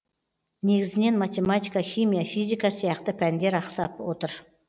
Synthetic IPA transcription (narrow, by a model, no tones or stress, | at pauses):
ne̞ɡʲɪzɪne̞nmat̪ʲe̞mat̪ijkɑχʲimijafijzʲijkɑsijɑqt̪əpʲʰænd̪e̞ɾɑqsɑpwot̪əɾ